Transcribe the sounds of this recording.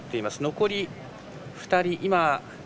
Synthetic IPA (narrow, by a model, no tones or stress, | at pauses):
t̪ːe̞imasɨno̞ko̞ɾʲi | ɸɯ̥t̪aɾʲiʔima